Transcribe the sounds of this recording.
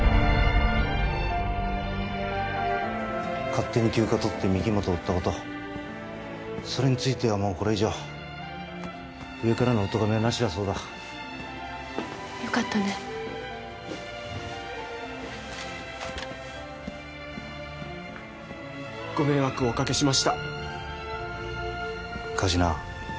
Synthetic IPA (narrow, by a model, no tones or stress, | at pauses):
kat̪ːe̞ɲ̟ikʲɨːkat̪o̞t̪ːe̞mʲiɡʲimot̪o̞ːt̪ːako̞t̪o̞ | so̞ɾe̞ɲ̟it͡sɨit̪e̞amo̞ːko̞ɾe̞iʑo̞ː | ɯ̟e̞kaɾano̞ːt̪o̞ɡame̞anaɕiβaso̞ːd̪a | jokat̪ːane | ɡ̥o̞me̞βakɯ̟o̞kake̞ɕimaɕi̥t̪a | kʰaʑina